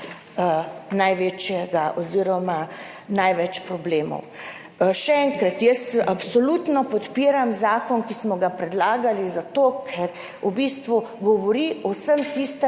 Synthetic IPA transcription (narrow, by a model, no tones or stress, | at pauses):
najʋet͡ʃjɛɡaʔɔziːɾɔma | najʋɛt͡ʃpɾɔbleːmɔ̰w | ʃɛɛŋkɾat̪jəsapsɔluːt̪nɔpɔt̪piːɾamzaːkɔnkismɔɡapɾɛd̪laːɡalizat̪okʰɛɾ | ubiːst̪ʋuɡɔʋɔɾiɔsəmt̪ist̪ɛ